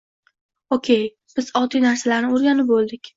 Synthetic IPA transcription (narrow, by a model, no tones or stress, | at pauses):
okʲʰe̞j | b̥ɪz̥ɒt̪ijnaɾsalaɾnɪoɾɡʲanɪp̚bolˠd̪ɪkʲ